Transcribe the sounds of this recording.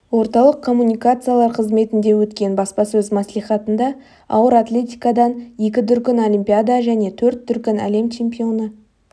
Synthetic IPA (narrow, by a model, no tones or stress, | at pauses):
wo̞ɾt̪ɑlˠəqkʰːo̞mːunʲijkat̪sɨjalˠɑɾqʰəzme̞t̪ɪnd̪e̞wɵt̪kʲe̞nbɑspɑsɵzmɑslˠijχɑt̪ənd̪ɑ | ɑ̰wəɾat̪lʲe̞t̪ʲijkad̪ɑnje̞kʲɪd̪ʏɾkʲɪno̞lʲimpʲijad̪aʒæne̞t̪ʰɵɾt̪ːʏɾkʲɪnæ̰le̞mt͡ʃʰe̞mpʲio̞nə